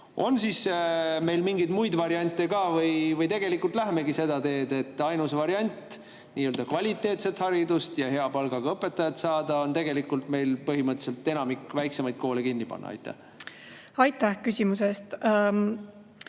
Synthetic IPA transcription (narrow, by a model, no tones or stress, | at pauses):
o̞̰nsiːsme̞jlmiŋɡijd̪̥mujd̪vɑɾiɑnʲt̪ːˑekɑːvɤjvɤjt̪e̞ɡ̥e̞likːˑult̪ˑlæɦeme̞ɡise̞d̪ɑt̪e̞ːd̪e̞t̪ːˑɑjnusvɑɾiɑnʲt̪ːˑ | niːøːld̪̥ɑkvɑlʲit̪ːˑe̞ːt̪se̞t̪hɑɾid̪ust̪jɑɦe̞ɑpɑlɡ̥ɑɡ̥ɑɤpːˑe̞t̪ːɑjɑt̪sɑːd̪̥ɑo̞nt̪eɡ̥e̞likːult̪me̞jlpɤɦimɤt̪ːˑse̞lt̪ːe̞nɑmikːvæjksemɑjd̪̥̚ko̞ːlekinʲːipɑ̰nːɑ̰ɑ̰jt̪ːˑæ̰h | ɑjt̪ːˑæhkysʲimusest̪